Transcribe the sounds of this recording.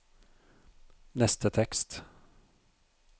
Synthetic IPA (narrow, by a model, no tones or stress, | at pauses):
nɛst̪ət̪ʰɛkst̪